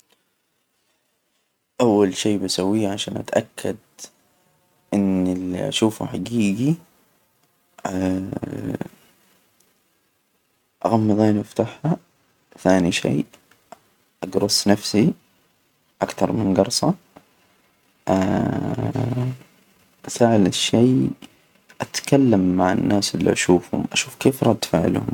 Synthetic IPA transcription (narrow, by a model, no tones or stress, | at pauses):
ʔawːalʃeːbasawːiːʕaʃaːnʔa̰t̪ʔakʰːad̪ | ʔɪnːɪlḭʔa̰ʃuːfṵħaɡiːɡi | ʔa̰ɣɑmːɨðˤeːniʔaft̪aħha | θaːniʃḛː | ʔaɡɾʊsˤnafsi | ʔakt̪ɑɾˤmɪnɡɑɾˤsˤɑ | ʔa | ʔasaʕlɪʃːeː | ʔat̪kalːamːaʕanːʔaːsʔɪlːḭʔaʃuːfhʊ̰mʔaʃuːfkeːfɾˤɑd̪faːʕɪ̰l̰hʊ̰m